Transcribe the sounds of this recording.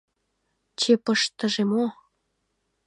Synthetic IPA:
t͡ɕepəʃt̪ə̆ʒemo

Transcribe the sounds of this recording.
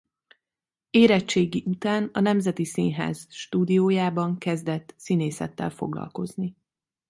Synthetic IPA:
eːɾɛt͡ʃt͡ʃːeːɡiʔut̪aːnɒnɛmzɛt̪isiːɲɦa̰ːz̥ʃt̪uːd̪ijoːjaːbɒŋkɛzd̪ɛt̪ːsineːsɛ̰t̪ːɛ̰lfo̞̰ɡlɒ̰lko̞zni

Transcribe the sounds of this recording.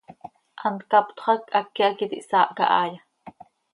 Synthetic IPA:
ʔɑnt̪kɑpt̪χɑkʔakːiakit̪ḭʔsɑːʔka̰ʔɑːja

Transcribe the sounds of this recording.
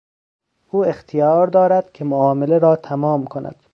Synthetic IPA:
uːext̪ʰijɒːɾd̪ɒːɾæd̪̥kʲʰemoɒːmeleɾɒːt̪ʰæmɒːmkʰonʔæ̰d̪̥

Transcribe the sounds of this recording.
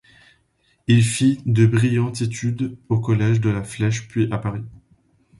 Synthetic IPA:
ilfid̪əbʁijɑ̃t̪et̪ʰyd̪okɔlɛʒd̪əlaflɛʃpɥiʔapaʁi

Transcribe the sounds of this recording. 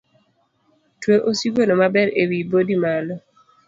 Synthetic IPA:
tweʔosiɡonomabɛɾewibodimalɔ

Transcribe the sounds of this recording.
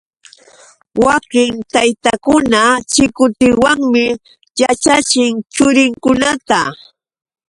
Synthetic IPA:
wakɪŋt̪ajt̪akʊnat͡ʃɪkʊt̪ɪwaŋmɪ | jat͡ʃat͡ʃɪŋt͡ʃʊɾɪŋkʊnat̪a

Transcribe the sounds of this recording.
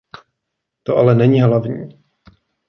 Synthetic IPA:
t̪oʔalɛnɛɲiːɦlavɲiː

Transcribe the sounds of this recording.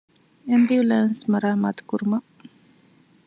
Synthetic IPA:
embiulaːnsmɐɾaːma̰ːt̪u̥kuɾumɐ

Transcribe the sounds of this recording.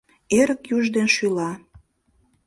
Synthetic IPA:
eɾəkjuʒd̪enʃylɑ

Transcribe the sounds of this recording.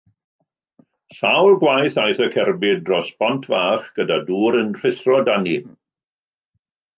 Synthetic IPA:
sawlˠɡwajθajθəkʰɛrbɪdrɔspɔntʰvaːχɡ̥ədaduːɾənr̥ɪθrɔdanim

